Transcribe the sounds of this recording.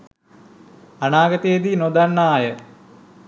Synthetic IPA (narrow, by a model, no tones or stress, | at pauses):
anaːɡət̪əjed̪inod̪anːaːjə